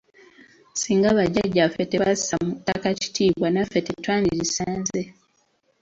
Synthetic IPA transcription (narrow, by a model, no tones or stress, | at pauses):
siːŋɡaβaɟaɟːafeteβazi̥samutːakaci̥tʰiːβwanafetetwaːndiɾisaːnze